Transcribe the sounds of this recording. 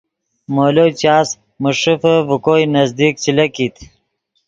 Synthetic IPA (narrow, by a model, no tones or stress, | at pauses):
moːlot͡ɕaːs | muʂifəvukojnɐzd̪ik̚t͡ɕilɐkit̪